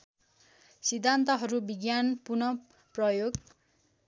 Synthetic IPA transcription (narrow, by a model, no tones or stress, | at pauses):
sid̪ʱːant̪ʌɦʌɾubiɡjanpurnʌ | prʌjoɡ